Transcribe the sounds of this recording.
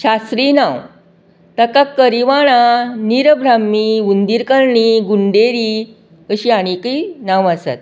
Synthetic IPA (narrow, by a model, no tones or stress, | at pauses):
ɕast̪ɾiːnãw | t̪əkakəɾiʋaɽ̃aniɾbʱɾamːiund̪iɾkəɾɳiɡuɳɖeɾi | əɕiːaɽ̃ikinãʋasa̰t̪̚